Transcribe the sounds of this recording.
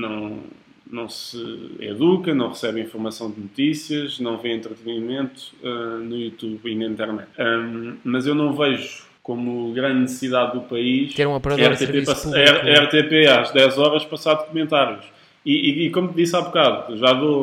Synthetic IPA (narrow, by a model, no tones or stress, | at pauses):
nɐ̃w̃ | nɐ̃w̃sɨ̰ḛðukɐnɐ̃w̃ʁɨsɛβĩfuɾmɐsɐ̃w̃d̪nut̪isjiɐʒnɐ̃w̃vẽẽnt̪ɾɨt̪ɨnimẽnt̪u̥ɛnujut̪uβinɐĩnt̪ɛɾnɛ̰t̪ɛmɐzewnɐ̃w̃vɛʒu | komuɣɾɐ̃nd̪nɨssiðaðːupɐiʃɛɾũɐpɐɾɐɛʁt̪epepɐsɐɛʁɐɛʁt̪epeaʒd̪ɛzɔɾɐʃpɐsaðkumẽnt̪aɾjuʃ | iikomut̪ðisaβukaðuʒaðo